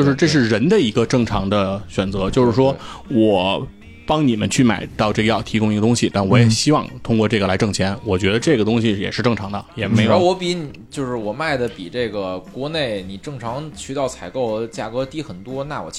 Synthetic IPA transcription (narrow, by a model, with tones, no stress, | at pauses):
jo˥˧ʊʂɻ̩˥˧ʈ͡ʂɤ˥˧ʂ̬ɻ̩˥˩ɻə˧˥nd̪ə˧i˧˥ɡə˧ʈ͡ʂɤ˥˩ŋʈ͡ʂʰɑ˧˥ŋd̪ə˧ɕɥɛ˨˩nt͡sɤ˧˥t͡ɕjo˥˧ʊʂɻ̩˥˩ʂwɔ˥wɔ˨˩˦ | pɑ˥ŋni˨˩mə̰˦nt͡ɕʰy˥˩ma̰˨˩ɪt̪ɑ˥˧ʊʈ͡ʂɤ˥˩ɡə˧jɑ˥˩ʊt̪ʰi˧˥kʊ˥ŋi˥ɡə˧ʊ˥ŋɕi˨t̪a˥˩nwɔ˧˥jɛ˨˩ɕi˥wɑ˥˧ŋt̪ʰʊ˥ŋkwɔ˥˧ʈ͡ʂɤ˥˩ɡə˩la˧˥ɪʈ͡ʂɤ˥˩ŋt͡ɕʰjɛ˧˥nwɔ˨˩t͡ɕɥɛ˧˥d̪ə˧ʈ͡ʂɤ˥˩ɡə˩t̪ʊ˥ŋɕi˨jɛ̰˨˩ʂɻ̩˥˧ʈ͡ʂɤ˥˩ŋʈ͡ʂʰɑ˧˥ŋd̪ə˧jɛ˨˩me˧˥ɪjwɔ˧˥pi˧˥ni˨˩t͡ɕjo˥˧ʊʂɻ̩˥˩wɔ˨˩ma˥˩ɪd̪ə˩pi˨˩ʈ͡ʂe˥˩ɡə˩kwɔ˧˥ne˥˩ɪni˨˩ʈ͡ʂɤ˥˩ŋʈ͡ʂʰɑ˧˥ŋt͡ɕʰy˧˥t̪ɑ˥˩ʊt͡sʰa˨˧˩ɪko˥˩ʊt͡ɕja˥˩kɤ˧˥t̪i˥˩xə˨˩nt̪wɔ˥na˥˩wɔ̰˨˩